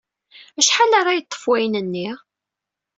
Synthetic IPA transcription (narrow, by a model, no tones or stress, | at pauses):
æʃħalaɾˤajət̪ˤːə̥fwæjnənːi